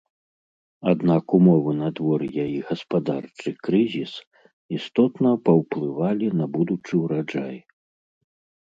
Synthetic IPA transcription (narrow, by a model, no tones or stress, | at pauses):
ad̪nakumɔvɨnɐd̪vɔrjajiɣɐspad̪art͡ʂɨkɾɨzʲis | ist̪ɔt̪nɐpɐwplˠɨvalʲinɐbud̪ut͡ʂɨwɾad͡ʐa̰j